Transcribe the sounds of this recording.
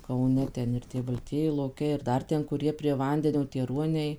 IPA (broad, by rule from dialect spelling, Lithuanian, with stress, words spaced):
kɐʊˈnʲɛ ˈtʲɛn ɪr ˈtʲiɛ bɐlʲˈtʲiɛjɪ lˠoːˈkʲɛɪ ɪr ˈdɐr ˈtʲɛn kʊˈrʲiɛ pʲrʲiɛ ˈʋɐnʲdʲɛnʲoː tʲiɛ ˈruɔnʲɛɪ